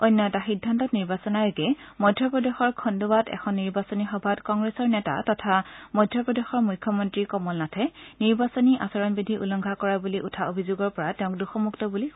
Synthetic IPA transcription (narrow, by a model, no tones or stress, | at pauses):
ojnːɔɛtaxidʱːantɔtniɹbasɔnajokɛmɔdʱjɔpɹɔdexɔɹkʰɔnduwatɛ̰kʰɔnːiɹbasɔnixɔbʱatkɔŋɡɹesɔɹnɛta̰tɔtʰamɔjdʱjɔpɹɔdexɔɹmujkʰjɔmɔntɹikɔmɔlnatʰɛniɹbasɔniʔa̰sɔɹɔnbidʱiʔulɔŋɡʱakɔɹabuliʔutʰaobʱizuɡɔɹpɔɹatɛʊ̃ŋk̚duxɔmuktɔbuli